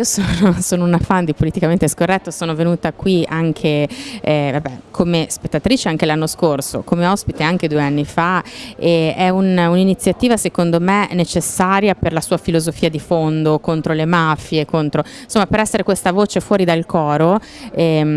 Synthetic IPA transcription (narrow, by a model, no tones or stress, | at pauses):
iːosonosoːnounafand̪ipolit̪ikament̪eskorːɛt̪ːosoːnovenuːt̪akwiaŋkʰe | vabɛkʰomespet̪ːat̪ɾiːt͡ʃeaŋk̟elanːoskorso̰komeɔspit̪eaŋk̟ed̪uːeanːifaɛɛununinit̪sːjat̪iːvasekond̪omenet͡ʃesːaːɾjaperlasuːafilozofiːad̪ifond̪okont̪ɾolemafjekont̪ɾoinsomːapeɾɛsːeɾekwest̪avoːt͡ʃefwɔːɾid̪alkɔːɾo | ɛ